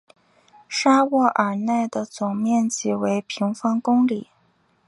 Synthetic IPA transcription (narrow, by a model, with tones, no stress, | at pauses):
ʂa˥wɔ˥˩ʔə˞˨˩na˥˩ɪd̪ə˩t͡sʊ˨˩ŋmjɛ˥˩nt͡ɕi˨˩we˧˥ɪpʰi˧˥ŋfɑ˥ŋkʊ˥ŋli˨˩˦